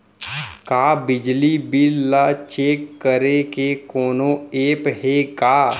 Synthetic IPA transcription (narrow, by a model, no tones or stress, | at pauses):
kaːbɪd͡ʒlibɪlːat͡ʃeːkːəɾekekoːnõeːpɦekaː